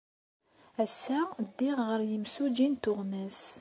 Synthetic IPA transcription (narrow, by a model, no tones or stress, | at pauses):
æsːæd̪ːiʁʁəɾjəmsud͡ʒint̪ʊʁmæs